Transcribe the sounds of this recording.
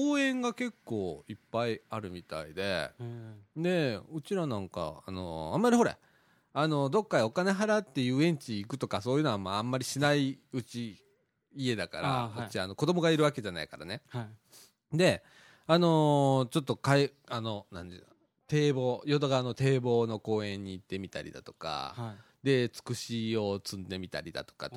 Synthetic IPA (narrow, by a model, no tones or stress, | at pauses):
oːẽ̞ŋɡake̞kːo̞ːipːaiaɾɯ̟mʲit̪a̰ḭd̪e̞̰ | d̪e̞ɯ̟t͡ɕiɾanãŋka̰a̰no̞̰ã̰mːaɾʲiɦo̞ɾḛ | ano̞d̪o̞kːaio̞kane̞ɦaɾat̪ːe̞jɯ̟ːẽ̞ɲ̟t͡ɕiːkɯ̟t̪o̞kaso̞ːjiɯ̟noamaãmːaɾʲiɕinaiɯ̟t͡ɕiː | e̞d̪aka̰ɾa̰ot͡ɕːiano̞ko̞d̪o̞mo̞ɡaiɾɯ̟βake̞ʑana̰ikaɾa̰ne̞ | d̪e̞ | ano̞t͡ɕo̞t̪ːo̞kaeano̞nã̰nd̪e | t̪e̞ːbo̞ːjo̞t̪oɡaːno̞t̪e̞ːbo̞ːno̞ko̞ːẽ̞ɲ̟ːiːt̪ːe̞mʲit̪a̰ɾʲḭd̪a̰t̪o̞̥ka̰ | d̪e̞t͡sɨ̥kɯ̟ɕio̞t͡sɨ̃nd̪e̞mʲit̪a̰ɾʲid̪a̰t̪o̥ka̰